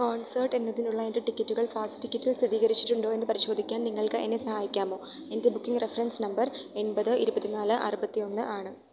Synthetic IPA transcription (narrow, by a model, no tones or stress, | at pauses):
koːɳsɐrʈe̞nːɐðinuɭːɐe̞nde̞ʈikʲːɐtːuɣɐɭfaːsʈɨ̥ʈikʲːɐtːilsiðiːɣɐɾit͡ɕːi̥ʈːuɳɖo̞ːenːɨpɐɾiɕo̞ːd̪ʱikʲːaːnniŋːɐɭkɨʔḛnːesɐhaːjikʲːaːmo̞ː | e̞nde̞bukːiŋɡrefɐrɐnsnɐmbɐre̞ɳbɐðɨiɾubɐt̪ːinaːlɨʔɐ̰rubɐt̪ːijo̞nːɨʔaːɳɨ